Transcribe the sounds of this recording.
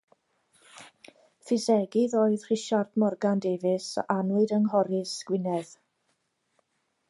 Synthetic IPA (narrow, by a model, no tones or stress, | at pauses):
fɪsɛɡɪðoːɨðr̥iʃardmɔrɡandevɪsʔanɨdəŋɦɔɾɪsɡ̥wɪnɛð̥